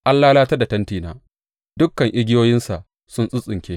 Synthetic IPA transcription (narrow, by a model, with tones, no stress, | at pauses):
ʔa˦lːaː˦laː˦tɐ˦da˨tɐ˦ntiː˨na̰ː˦ | dʊ˦kːɐ˨ŋʔɪ˦ɡʲɪ˦joː˦jɪ˦nsa˨ʔ | sʊ˦nsʼʊ˦sʼɪ˨ŋkʲeː˦